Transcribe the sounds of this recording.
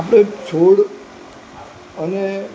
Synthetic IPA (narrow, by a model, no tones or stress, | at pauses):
apɽet͡ʃʰoɽ | əne